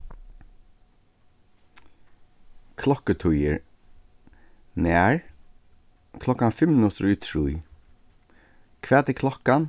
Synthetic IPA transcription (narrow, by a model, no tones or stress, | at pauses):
kʰlɔkət̪ʰujəɹ | nɛːɹ | kʰlɔhkanfɪmnʊt̪ɾit̪ʰɹuj | kʰv̥ɛːt̪ikʰlɔhkan